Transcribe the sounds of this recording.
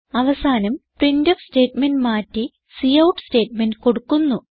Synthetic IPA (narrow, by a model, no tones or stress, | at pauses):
ɐʋɐsaːnɐmprindɐfste̞ːtmenɖmaːtːi | sijɐwʈste̞ːtmenɖko̞ɽukːunːu